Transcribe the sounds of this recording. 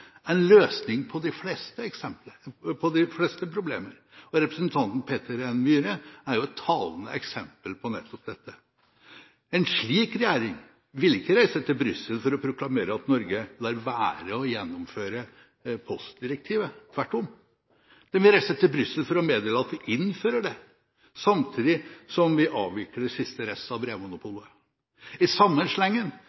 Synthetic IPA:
ɛnløːsnɪŋpʰɔd̪ɪflɛst̪əɛksɛmpləpʰɔd̪ɪflɛst̪əpʰɾʊblḛːməɾ | ɔɾɛpɾəsnt̪ʰɑnt̪n̩pʰeːt̪əɾɛnmyːɾəæɾjʊɛt̪ʰːɑːlənə̰ʔɛksɛmpəlpʰɔnɛ̰t̪ʰːɔp̚d̪ɛt̪ːə | ɛnʂɭiːkɾɛjæːɾɪŋ | ʋɪlɪkːəɾæɪsət̪ɪlbɾʏsːəlfɔɾɔpʰɾʊklɑmeːɾəɑt̪nɔɾɡəlɑɾʋæːɾəɔjɛnːɔmføːɾə | pʰɔst̪̚d̪ɪɾɛk̚t̪ʰiːʋət̪ʰʋæʈːɔm | d̪̥ɛnʋɪlɾæɪsət̪ɪlbɾʏsːəlfɔɾɔmeːd̪eːləɑt̪ʋɪʔɪnføːɾəɖɛ | sɑmt̪ʰiːd̪ɪsɔmʋɪʔɑːʋʋɪkːəɖ̪ɛsɪst̪əɾɛsɑbɾeːmʊnʊpʰuːlə | ɪsɑmːənʂlɛŋːən

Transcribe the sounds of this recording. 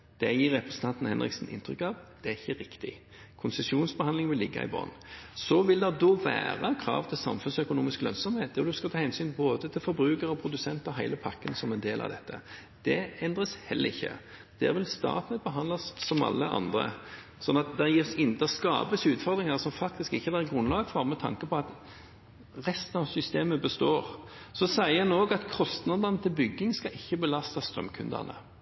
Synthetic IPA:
d̪̥ɛjiːɾːɛpɾɛsn̩t̪ʰɑnt̪n̩hɛnʁɪ̰ksən̩ʔɪ̰nt̪ʰɾʏkːɑʋd̪̥ɛæɪçːəɾɪkt̪ɪ | kʰʊnsəsuːnsbəhɑnlɪŋʋɪlːɪɡːɑ̰ɪ̰bɑ̰ːnsɔʋɪld̪ɛd̪oːʋæ̰ːʁɑkʰɾɑ̰ːʋt̪ʰɪlsɑ̰mfʉnsœkʊnuːmɪsklœnsɔmheːt̪ːɔd̪ʉskɑlt̪ʰɑːhɛnsyːnboːd̪ət̪ʰɪlfɔɾbɾʉːkəɾɔpʰɾʊd̪ʉsɛnt̪ɔɦæɪləpʰɑkːənsɔmɛnd̪eːlʔɑ̰ʋd̪ɛt̪ʰːə̰ | d̪̥ɛɛnd̪ʁəshɛlːəʁɪçːə̰ | d̪̥æ̰ːʁʋɪlst̪ɑ̰ːt̪nət̪̚bəɦɑnd̪lɑssɔmɑ̰lːəʔɑ̰nd̪ʁə̰ | sɔnːɑt̪̚d̪æjɪsɪnd̪ɑskɑ̰ːbəsʉːt̪fɔʁd̪ʁɪŋɑʁsɔmfɑk̚t̪ɪskɪçːəd̪æɡʁʉnlɑːɡəfɔʁmɛt̪ʰɑ̰ŋkəpʰɔɑt̪ | ʁɛst̪ənɑʋsʏst̪eːməbəst̪oːʁ | sɔsæɪəɑnoːɡɑt̪kʰɔst̪nɑd̪ɑnət̪ʰɪlbʏɡːɪŋskɑʔɪçːəbəlɑst̪ɑst̪ʁœ̰mkʰʉnd̪ə̰ʁnə̰

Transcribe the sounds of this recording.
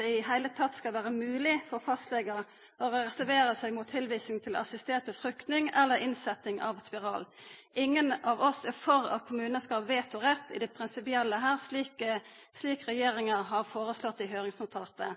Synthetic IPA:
ɪhæɪlət̪ʰɑt̪ːskɑlʋæːɾəmʉːlɪfɔɾɔfɑst̪lɛɡə | ɔɾɔɾɛsæɾʋeːɾəsæɪɡmʊːt̪ʰːɪlʋiːsnɪŋt̪ʰɪl̰ɑsɪst̪eːt̪̚bɔfɾʏkt̪nɪŋɛlːəɾɪnsɛt̪ːɪŋɑ̰ʋspɪɾɑːlʔɪŋːənɑʋɔsɛfɔɾɑ̰kʰʊmʉːnəskɑʋeːt̪ʊʁɛt̪ːɪ̰d̪ɛpʰɾɪnsɪpɪɛlːəɦæːʁsliːk | sliːkʁɛjeːɾɪŋəʁɦɑʁfoːʁəslɔt̪ːɪɦøːɾɪŋsɑlt̪ʰɑːt̪ə

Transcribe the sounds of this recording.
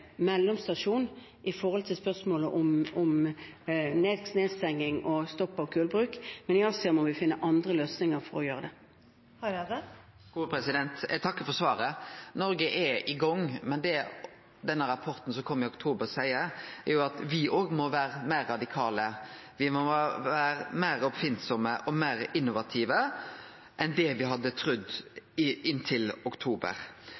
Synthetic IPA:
mɛlːɔmst̪ɑʂuːn | ʔɪfɔʁɔlt̪ʰɪlspœʁsmoːləʔɔmɔm | neːd̪sneːst̪ɛŋːɪŋɔst̪ɔpːɑʋkʰʉːlbɾʉːkmɛnɪɑlsəmɔʋɪfɪnːəʔɑnd̪ɾəløːsnɪŋəɾfɔɾɔjøːʁəd̪ɛ | h | uːpɾɛsɪd̪ɛnt̪ɛ̰ɡt̪ʰɑkːəfɔɾsʋɑːɾənɔɾɡəʔɛɪɡɔŋːmɛnd̪ɛ | d̪ɛnːəɾɑpʰɔɾt̪n̩sɔkʰɔmːɪʊkt̪ʰuːbəʁsæɪəæɾjʊɑt̪ʋɪʔoːɡmɔʋæːɾəmæːɾːɑd̪ɪkʰɑːlə | ʋɪmɔʋæːɾəmæɪɾɔpfɪnt̪sɔməʔɔmæːɾɪnːʊʋɑt̪ʰiːʋə | ʔɛnd̪ɛʋɪɦɑd̪ːət̪ʰɾʉd̪ː | ɪnt̪ʰɪlʊkt̪ʰuːbə̰ɾ

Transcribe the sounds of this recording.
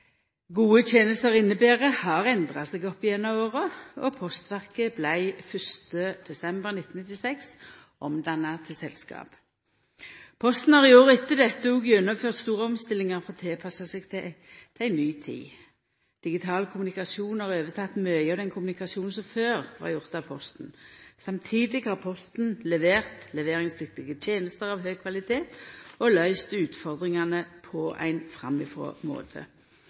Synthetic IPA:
ɡuːət̪ʰjeːnəst̪əʁɪnːəbeːʁəhɑʁɛnd̪ʁɑsɛɡɔpːɪɛnːɑoːʁəɔpʰɔst̪ʋæʁkəblæɪfœst̪əd̪̥ɛsɛmbəʁnɪt̪ːn̩ɪt̪ːɪsɛks | ʔɔmd̪ɑnɑt̪ʰɪsɛlskɑ̰ːp | pʰɔst̪n̩hɑːʁɪoːʁəɪt̪ːəd̪ɛt̪ːəuɡjɛnːəmføːʁt̪st̪uːʁəɔmst̪ɪlːɪŋəʁfɔʁt̪ʰeːpʰɑsɑsɛɡ̪ | t̪ʰæɪnyːt̪ʰḭː | d̪̥ɪɡɪt̪ʰɑːlkʰʊmʉnɪkɑsuːnhɑːʁøːʋət̪ʰɑt̪ːmœʏəɑd̪ɛnkʰʊmʉnɪkɑsjuːnn̩sɔmføːʁʋɑ̰ʁjʊʁt̪ɑʋpʰɔst̪n̩sɑmt̪ʰiːd̪ɪɡhɑːʁpʰɔst̪n̩lɛʋeːʁt̪lɛʋeːʁɪŋspʰlɪk̚t̪ɪɡət̪ʰjeːnəst̪əʁɑʋɦœːkʰʋɑlɪt̪ʰeːt̪ɔlœʏst̪əʉːt̪fɔʁd̪ʁɪŋɑnəpʰɔʔæ̰ɪnfʁɑ̰mːɪfʁo̰ːmo̰ːt̪ʰə̰

